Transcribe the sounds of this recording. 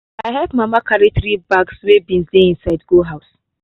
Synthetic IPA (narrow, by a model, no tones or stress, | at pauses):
aɪɦɛpmamakaɾitɾibaɡswebĩnzlĩĩnsaɪdɡoɦaʊs